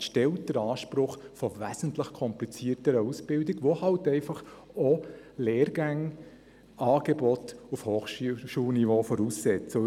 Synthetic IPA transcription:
ʃtɛlt̚d̥əɾɑːʃpɾʊχfɔvæsən̩tləχkʰɔmplit͡siːərtəɾəusb̥ɪldɪɡʋohɑltɛɪfɑχ | ɔ | leːɾɡæŋ | ɑːɡ̥ebɔt̪ufhoːχʃʃuːlnivoːfɔɾussɛt͡sə

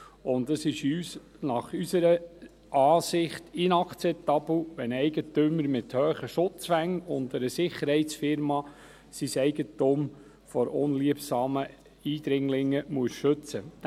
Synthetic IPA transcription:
ʊnd̪əsɪʃyːs | nɑχysəɾə | ʔɑːsɪχtɪnɑkʰt͡sɛp̚t̪ɑbl̩ʋɛnɛɪɡət̪ʏməɾmɪt̪høːχəʃʊt͡sfæŋʊnd̪əɾəsɪχəɾhɛɪsfɪɾmɑ | sisɛɪɡətuːm | fɔɾʊnliəpsɑːmə | iːd̪ɾɪŋlɪŋːəmuəsʃɵt͡sə

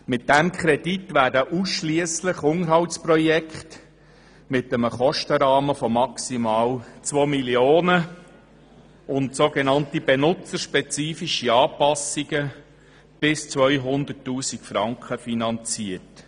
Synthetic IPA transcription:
mɪt̚d̥æmkʰχɾɛditʋæːrdəʔusʃliəsləχʊŋəɾɦɑwtsprɔjɛkχt | mɪtəməχɔʃtəɾɑːməfɔmɑksimɑːlt͡sʋoːmiljoːnə | ʊntsoːɡenɑntib̥enʊt͡səɾʃpɛt͡siːfiʃiɑːpɑsiɡə | b̥ɪst͡sʋœʏɦʊnd̪ətːuːsikfɾɑŋkχəfinɑnt͡siət

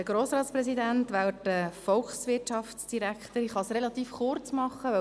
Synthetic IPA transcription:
əɡ̥ɾoːsɾɑːt̪spɾɛsidænt̪ʋæwətəfɔlksʋɪtt͡ʃɑftsd̥iɾækχt̪əɾiχɑsrɛlɑt̪iːfχʊɾt͡smɑχːəʋœ

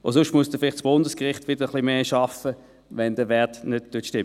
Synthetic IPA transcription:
o̰sʊʃtmuəsd̥əfɪlɪχtsb̥ʊndəskʁɪχtvʋɪd̥əʁəχlimeːʃɑfə | ʋɛndəʋɛɐtnød̚tuːtʃtɪmə

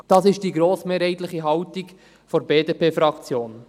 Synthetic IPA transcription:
d̥ɑːsɪʃd̥iːɡɾoːsmeːɾhɛɪtlɪχiɦɑwtik | foɾbeːdepʰeːfɾɑkt͡sjoːn

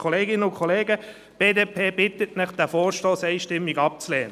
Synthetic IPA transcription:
kʰɔleːɡɪnəʊkʰχɔleːɡə | b̥eːdeːpʰeːb̥ɪt̪ətnɪχd̥æfɔːɾʃtoːsɛɪʃtɪmːiɡɑp̚t͡slɛːnə

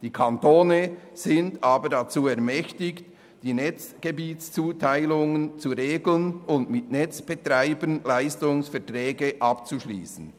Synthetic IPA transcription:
d̥iːkʰantoːnəz̥ɪndaːbədat͡suːɛɐʁmɛçtɪkt | d̥iːnɛt͡sɡ̥ebiːtst͡suːtʰaɪlʊŋənt͡suɾeːɡl̩nʊndmɪtnɛt͡sb̥ɛtɾaɪbənlaɪstʊŋsfɛʁtʁɛːɡəʔɑpt͡suʃlḭːsn̩

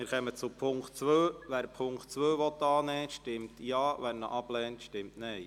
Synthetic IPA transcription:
mɪːɾχɛmət͡supʰʊŋktt͡sʋøːʋæːɾpʰʊŋktt͡sʋøːʋɔt̪ːɑːnɛːʃtɪmtjɑːʋænnə̰ʔɑb̥lɛːntʃtɪmtnɛj

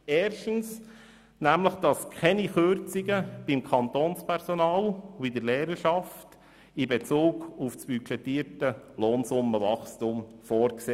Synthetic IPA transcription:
ɛːɾʃtəns | næmləχd̥ɑskʰɛniχøɾt͡sɪɡəb̥imkʰɑnt̪oːnspʰɛɾsɔnɑːlʊbid̪əɾlɛːɾəʃɑft | ɪbet͡suːɡʊfsb̥yt͡ʃɛtiːɾtəloːnsʊmːəʋɑχstumfoːɾkseː

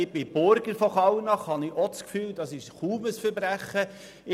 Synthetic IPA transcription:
ɪb̥ɪb̥ʊɾɡəɾfɔχɑwnɑχhɑnɪʔɔt͡skfyːld̥ɑsɪʃχuːməsfəɾbɾæχːə | ɪ

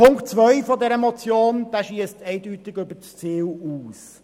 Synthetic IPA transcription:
pʊŋktt͡sʋœʏfɔdɛɾəmɔt͡sjoːnd̥̪aʃiəstɛɪdytɪɡʏbət͡st͡siːwuːs

